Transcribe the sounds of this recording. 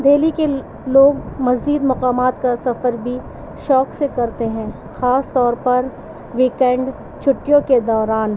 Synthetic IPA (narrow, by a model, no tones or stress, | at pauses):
d̪ʱeːlike | loːɡmɐziːd̪mɐqaːmaːt̪kasɐfəɾbʱi | ʃɔːksekɐɾt̪eɦɛ̃ː | xaːst̪ɔːɾpɐɾ | ʋiːkɛ̃ɳɖ | t͡ʃʰʊʈːijõked̪ɔːɾaːn